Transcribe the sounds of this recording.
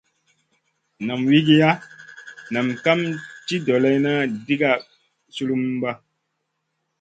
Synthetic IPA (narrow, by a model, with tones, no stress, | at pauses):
na˨mwi˦ɡi˦ja˦ | na˨mka˦mti˦do˨lɛ˦jna˦di˦ɡa˦ | su˦lu˦mba˦